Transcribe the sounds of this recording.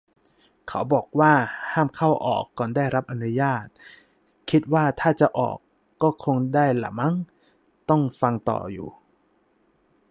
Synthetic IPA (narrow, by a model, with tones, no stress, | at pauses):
kʰa˩˦wbɔː˨˩k̚waː˥˩haː˥˩mkʰa˥˩wʔɔ̰ː˨˩kːɔː˨˩ndaː˥˩jɾa˦˥p̚ʔa˧nu˦˥jaː˥˩t̪̚ | kʰi˦˥t̪̚waː˥˩t̪ʰaː˥˩t͡ɕa˨˩ʔɔ̰ː˨˩kː | ɔː˥˩kʰo˧ŋdaː˥˩jla̰˨˦ma˧˥˨ŋ | t̪ɔ˥˩ŋfa˧ŋt̪ɔ̰ː˨˩jṵː˨˩